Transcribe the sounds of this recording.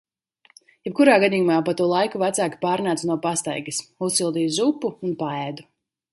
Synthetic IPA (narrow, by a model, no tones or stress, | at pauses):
jɛp̚kuɾaːɡad̪iːjumaːpat̪uɔlˠajkuvæt̪saːkʲi̥paːɾnaːt̪nuɔpast̪a̰jɡɐsussilˠd̪iːjzupːuunpaɛd̪u